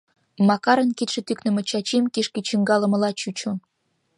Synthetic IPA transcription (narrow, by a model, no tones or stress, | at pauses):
mɑkɑɾə̆nkit̪ʃĕt̪yknə̆mɤ̆t͡ɕɑt͡ɕemkeʃkit͡ɕiŋɡɑlə̆mə̆lɑt͡ɕut͡ɕo